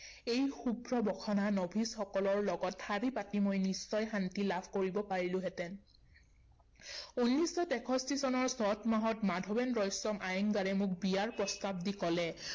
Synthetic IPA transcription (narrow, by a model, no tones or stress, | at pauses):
ejxubɹɔbɔkʰananɔbʱisxɔkɔlɔɹlɔɡɔthaɹipatimojnisːɔjxantilabʰʱkoɹibɔpaɹilʊ̃ɦɛtɛn | unːisɔtɛkʰɔstisɔnɔɹsɔtmaɦɔtmadʱɔbɛnɹɔjsɔmʔajɔŋɡaɹɛmʊk̚bijaɹpɹɔstab̚dikɔlɛ